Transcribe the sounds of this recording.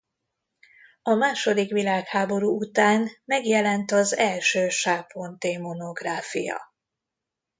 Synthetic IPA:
ɒmaːʃo̞d̪ikʋilaːkhaːbo̞ɾuːut̪aːnmɛɡjɛlɛnt̪ɒzɛlʃøːʃaːpo̞nt̪eːmono̞ɡraːfḭjɒ̰

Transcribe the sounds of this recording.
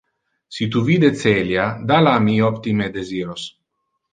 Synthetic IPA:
sit̪uvid̪et͡s̪eljad̪alamiɔpt̪imed̪eziːɾos

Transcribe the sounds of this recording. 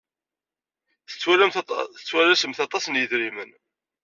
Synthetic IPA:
θə̥t͡sːwælæmθə̥t͡sːwælæsəmθɑt̪ˤɑsnjəðɾimən

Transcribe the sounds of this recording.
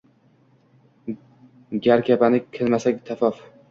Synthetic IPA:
ɡʲaɾkʰʲapanɪkʲʰɪlmasakʲt̪ʰafɒf

